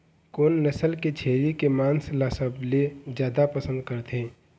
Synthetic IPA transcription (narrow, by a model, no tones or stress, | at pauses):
koːnːəsəlket͡ʃʰeːɾikemãːnslaːsəbled͡ʒjaːd̪apəsə̃nd̪̚kəɾt̪ʰẽː